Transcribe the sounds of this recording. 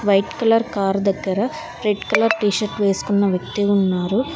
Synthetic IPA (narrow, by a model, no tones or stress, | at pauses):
ʋɐjʈkɐlɐɾkaːɾd̪ɐɡːɐɾɐ | ɾeɖkɐlɐɾʈiːʃɐɾʈʋe̞ːsu̥kunːɐʋjɐkt̪iunːaːɾu